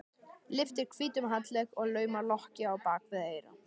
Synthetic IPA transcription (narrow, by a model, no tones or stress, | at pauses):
lɪft̪ɪɾ̥kʰviːt̪ʏmɦat̪lɛɣɔɣlœːɥmalɔhcɪawpaːkvɪðeːjɾa̰